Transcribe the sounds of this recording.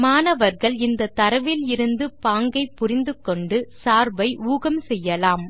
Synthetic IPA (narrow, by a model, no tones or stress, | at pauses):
maːnɐʋɐɾɣɐɭɪnd̪ɐt̪ːɐɾɐʋɪlɪɾɯnd̪ɯpaːŋɡɐɪpːʊɾɪnd̪ɯkːɔɳɖɯsaːɾbɐɪuːɣɐmsɛjːɐlaːm